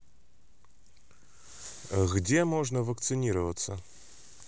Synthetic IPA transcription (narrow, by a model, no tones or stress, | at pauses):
ɣd͡zʲɛmɔʐnɐvɐkt̪sɨnʲiɾɐvɐt̪sːɐ